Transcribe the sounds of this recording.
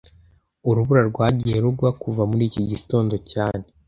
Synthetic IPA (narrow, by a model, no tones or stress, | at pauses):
uɾuβuɾaɾɡwaːɟije̞ɾuɡwakuvamuɾiːciɟito̞ːndo̞caːne̞